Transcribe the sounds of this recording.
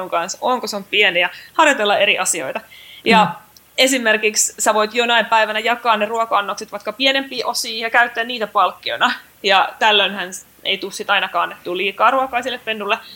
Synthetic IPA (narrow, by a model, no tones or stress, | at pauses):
uŋkɑnsoːŋkoseompienejɑhɑrjot̪elːɑeɾiʔɑsio̰it̪ɑjɑ | esimːerkikssæʋoit̪jonɑimpæiʋænæjɑkˑɑːnneruɑkɑɑnːokset̪ʋɑikːɑpienempːˑiːʔosiːjɑkæyt̪ːeænniːt̪æpɑlkːio̰inɑ | jɑt̪ælːønhæn | ḛit̪ussit̪ɑinɑkɑːnːet̪t̪ːuːliːkɑːruɑkɑːnsielːeppenːulːe